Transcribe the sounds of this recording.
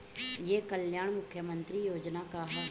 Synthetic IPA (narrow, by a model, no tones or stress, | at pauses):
jeːkəljaːɽ̃mʊkʰːjəmə̃nt̪ɾijoːd͡ʒnakaɦ